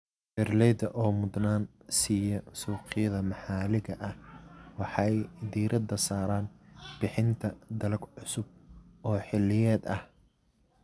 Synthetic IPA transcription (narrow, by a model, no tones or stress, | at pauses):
b̥ɛrlɛːd̪ɐʔɔːmʊd̪naːnsiːjɔsuːqɪjɐðɐmɑħɑːlɪɣɐʔɐhwɑħɑjd̪iːɾɐd̪ɐsaːɾaːnb̥ɪħɪnt̪ʰɐd̪ɐlɐɡʕʊsʊb̚ʔɔːħɪlːɪjɛːd̪ɐh